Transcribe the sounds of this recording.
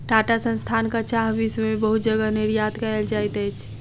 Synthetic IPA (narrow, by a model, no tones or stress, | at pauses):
ʈaʈasə̃nst̪ʰankat͡ʃaɦbismebəɦut̪̚d͡ʒəɡəniɾjat̪kəeld͡ʒajt̪ɛjt͡ʃʰ